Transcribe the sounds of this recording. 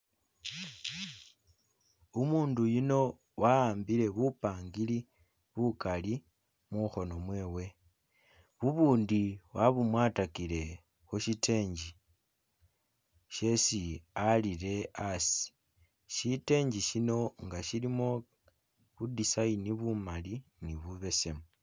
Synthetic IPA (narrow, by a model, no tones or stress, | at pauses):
umuːndujino̞ | wʔaaːmbile̞βupaːŋɡili | βukali | muxo̞no̞mwe̞ːwe̞ | βuβuːndiwaβumwatakile̞ | xuʃite̞ːɲd͡ʒi | ʃe̞sialiɾe̞asi̥ | ʃite̞ːɲd͡ʒiʃino̞ŋɡaʃilimo̞ | βudisainiβumaliniβuβe̞se̞mu